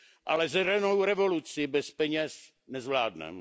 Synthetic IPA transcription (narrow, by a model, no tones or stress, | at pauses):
ʔalɛzɛɾɛnowɾɛvolut͡sɪbɛspɛɲɛs | nɛzvlaːdnɛ̰